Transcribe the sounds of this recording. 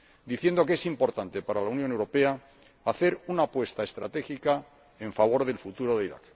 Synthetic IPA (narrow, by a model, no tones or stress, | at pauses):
d̪iθje̞nd̪o̞kee̞simpo̞ɾt̪ant̪e̞paɾalaunjonewɾope̞aː | θe̞ɾunaːpwe̞st̪ae̞st̪ɾa̰t̪e̞xika | eɱfaβ̞o̞ɾðe̞lfut̪uɾo̞ðeiɾa̰k